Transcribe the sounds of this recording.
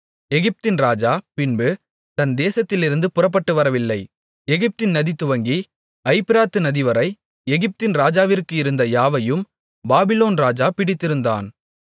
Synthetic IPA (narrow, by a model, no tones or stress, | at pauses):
ɛɣɪp̚t̪ɪnɾaːd͡ʒaːpɪnbɯ | t̪ɐnd̪eːsɐt̪ːɪlɪɾɯnd̪ɯpʊrɐp̬ːɐʈːɯʋɐɾɐʋɪlːɐɪ | ɛɣɪp̚t̪ɪnnɐðit̪ːɯʋɐŋɡi | ɐɪpɪɾaːt̪ːɯnɐðɪʋɐɾɐɪ | ɛɣɪp̚t̪ɪnɾaːd͡ʒaːʋɪrkɯɪɾɯnd̪ɐjaːʋɐjɯm | baːbɪloːnɾaːd͡ʒaːpɪɽɪt̪ːɪɾɯnd̪a̰ːn